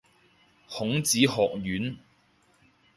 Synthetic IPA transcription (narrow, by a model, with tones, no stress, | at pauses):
hʊ˨˥ŋt͡siː˨˥hɔː˨k̚jyː˨˥n